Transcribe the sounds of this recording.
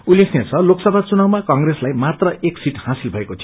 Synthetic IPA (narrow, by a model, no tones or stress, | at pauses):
ulːekʰnet͡sʰʌloksʌbʱat͡sunawmakʌŋɡreslajmat̪rʌeksiʈhãsilbʱʌekot͡sʰi